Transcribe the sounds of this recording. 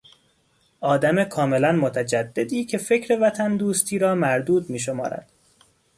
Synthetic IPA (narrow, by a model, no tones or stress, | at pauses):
ʔɒːd̪æmekʰɒːme̞lænmot̪ʰæd͡ʒæd̪ːe̞d̪iːcʰe̞fe̞cʰɾe̞væt̪ʰænd̪uːst̪ʰiːɾɒːmæɾd̪uːd̪miːʃo̞mɒ̰ːɾæ̰d̪̥